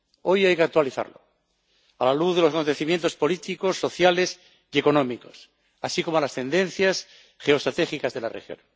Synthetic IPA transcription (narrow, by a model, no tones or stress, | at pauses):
o̞jajkeak̚t̪waliθa̰ɾlo̰ | alaluðð̞e̞losako̞nt̪e̞θimjent̪o̞spo̞lit̪iko̞sːo̞θjale̞s | ie̞ko̞nõ̞miko̞s | asiko̞moalast̪e̞nd̪ẽ̞n̟θjas | χe̞o̞st̪ɾat̪e̞xikazðe̞la̰rḛxjo̰n